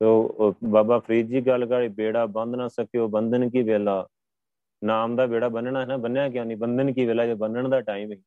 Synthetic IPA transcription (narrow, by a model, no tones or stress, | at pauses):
toːbaːbaːpʰəɾiːd͡ʒiːɡəlkaːɽiːbeːɽaːbə̃nd̪naːsəkeoːbənd̪ənk̬iːʋeːlaː | naːmd̪aːbeːɽaːbənɳ̃aːɛnaːbənjaːk̬ɪjãːniːbənd̪ənkiːʋeːlaːd͡ʒoːbənəɳd̪aːʈaːiːmeĩː